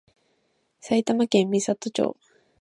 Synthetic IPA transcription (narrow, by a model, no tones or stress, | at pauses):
sajt̪amakẽmmisat̪ːot͡ʃo̰ː